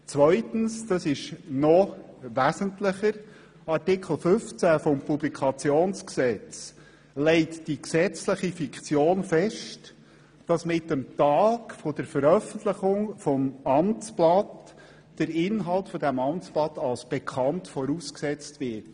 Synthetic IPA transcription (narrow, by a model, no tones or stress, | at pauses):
t͡sʋœʏtən̩sd̥ɑsɪʃnɔ | ʋæsəntləχəɾ | ɑrtɪkʰl̩ˠfʏft͡sæfɔmpublikʰɑt͡sjoːnsksɛt͡s | lɛɪtd̥iksɛt͡sləχifikt͡sjoːnfɛʃt | d̥ɑsmɪtəmtɑːkfɔd̥əɾfəɾœfən̩t̪ləχʊŋfɔmɑmt͡splɑt | d̥əɾɪnɦɑlˠtfɔdæmɑmt͡splɑt̪ɑlsb̥ɛkʰɑntfɔɾuːsksɛt͡stʋɪt